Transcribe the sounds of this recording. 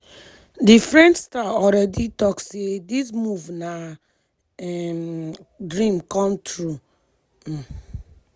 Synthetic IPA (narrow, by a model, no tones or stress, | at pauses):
difɹɛ̃nt͡ʃstaɔlɹɛditɔksedis̬muvna | ɛmdɹĩmkɔ̃mtʰɹu